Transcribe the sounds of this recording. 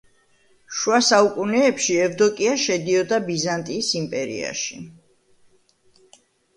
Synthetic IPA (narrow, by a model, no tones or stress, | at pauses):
ʃwasaukʼunɛːpʃiɛvd̪ɔkʼiaʃɛd̪iɔd̪abizant̪ʼiːsimpʼɛɾḭa̰ʃi